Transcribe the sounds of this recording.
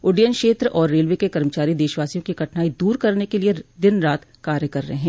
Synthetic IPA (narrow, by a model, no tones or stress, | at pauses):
ʊːɖijənkʃeːt̪ɾəʔɔːɾːeːlʋeːkekɐɾmət͡ʃaːɾid̪eːʃʋaːsijõkiɡɐʈnaːid̪uːɾkɐɾnekelied̪ɪnɾaːt̪kaːɾjəkɐɾːɐɦeɦɛ̃ː